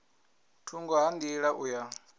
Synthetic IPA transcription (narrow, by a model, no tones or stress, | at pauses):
tʰuŋɡɔɦandiɺaʔuja